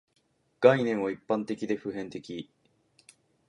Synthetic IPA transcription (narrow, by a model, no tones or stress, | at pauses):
ɡ̥ainẽ̞ɰ̃βaipːãnt̪e̞kʲid̪e̞ɸɯ̟ɦẽ̞nt̪e̞kʲi